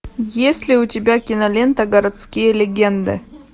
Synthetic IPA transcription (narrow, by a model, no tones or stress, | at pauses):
jesʲlʲɪʊtʲɪbʲakʲɪnɐlʲent̪ɐɡɐɾɐt̪skʲijəlʲɪɡʲend̪ɨ̰